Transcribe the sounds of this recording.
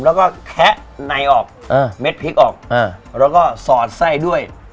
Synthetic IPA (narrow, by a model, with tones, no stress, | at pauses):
mlɛ˦˥wkɔː˥˩kʰɛ˦˥ʔna˧jʔɔː˨˩k̚ʔaː˧˩me˦˥t̪̚pʰi˦˥k̚ʔɔː˨˩k̚ʔa˧˩ɾɛː˦˥wkɔː˥˩sɔː˨˩t̪̚sa˥˩jdu˥˩əj